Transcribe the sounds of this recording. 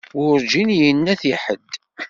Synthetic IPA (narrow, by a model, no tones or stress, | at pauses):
ʊɾd͡ʒinjənːæθiħəd̪